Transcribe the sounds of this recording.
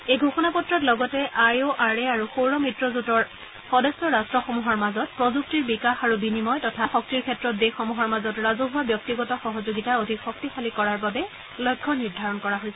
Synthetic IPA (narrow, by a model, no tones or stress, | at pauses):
ejɡʱoxɔnapɔtɹɔtlɔɡɔtɛʔajoʔaɹɛaɹuxoɹɔmitɹɔzutɔɹ | xɔdɛstɔɹastɹɔxɔmuɦɔɹmazɔt̚pɹɔzuk̚tiɹbikaxaɹubinimɔjtɔtʰaxɔk̚tiɹkʰɛtɹɔt̚dexɔmuɦɔɹmazɔtɹazuɦʊwabjɔk̚tiɡɔtɔxɔɦɔzoɡitaodʱikxɔk̚tixalikɔɹaɹbabɛ | lɔjkʰːɔniɹdʱaɹɔnkɔɹaɦojsɛ